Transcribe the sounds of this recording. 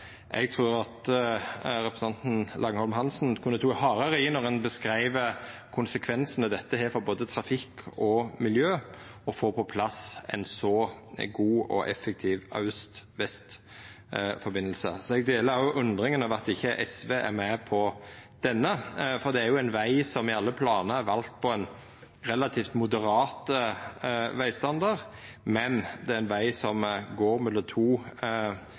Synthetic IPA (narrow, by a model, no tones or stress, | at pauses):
ʔɛɡ̚t̪ʰʁuːɾɑt̪ | ɾɛpɾəsɑnt̪n̩lʔɑŋhɔlmɦɑnsnkʰʉnːət̪ʰuːhɑːɾəɾəɪnɔʁɛnbəskɾæɪʋəkʰʊnsəkʰʋɛnsənəd̪ɛt̪ːəɦeːɾfɔɾboːd̪ət̪ʰɾɑfɪkʰːɔmɪljøːɔfoːpʰɔpʰlɑsɛ̰nsɔɡuːɔ̰ʔɛ̰fːɛk̚t̪ʰiːʋɑ̰ʉst̪ʋɛst̪ | fɔɾbɪnːəlsə̰sɔɛɡ̚d̪eːləɾʁɑɾjʊʔʉnd̪ʁɪŋənɔʋæt̪ɪçːəʔɛsʋeːʔæ̰ɾmɛpʰɔd̪̥ɛnːəfɔɾd̪ɛæɾjʊɛɪnʋæɪsɔmɪɑlːəpʰlɑːnəæɾʋɑlt̪̚pʰɔɛn | ɾɛlɑt̪ʰiːft̪mʊd̪əɾɑːt̪ə | ʋæɪst̪ɑnd̪əɾ | mɛnd̪ɛæɾɪnʋæɪsɔmɡoːɾmʉlət̪ʰuː